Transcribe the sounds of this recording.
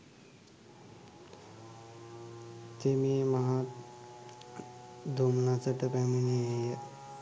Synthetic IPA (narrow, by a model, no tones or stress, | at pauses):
semiemaɦa | d̪ʱumnasəʈəpæmineejə